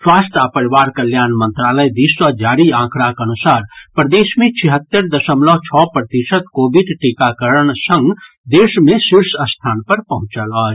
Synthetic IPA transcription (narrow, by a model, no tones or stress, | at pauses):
swaːsʈapəɾiʋaɾkəljaːnmənt̪ɾaləjd̪iswəd͡ʒaːɾiãːkʰɾakənusaɾpɾəd̪esmẽt͡ʃʰiɦət̪ːəɾd̪əsəmlɔɦt͡ʃʰɔpɾət̪isət̪kobiɖʈikakəɾəɳsə̃ŋɡ | d̪esmesiɾsəst̪ʰaːnpəɾpəɦũt͡ʃələː